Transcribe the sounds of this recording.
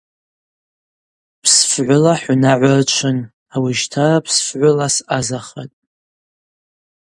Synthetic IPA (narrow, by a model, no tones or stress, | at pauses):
pʰsfʕʷʊlaħʷnaʕʷart͡ʃʷʰɨn | awiʒtʰarapʰsfʕʷʊlasazaχa̰tʼ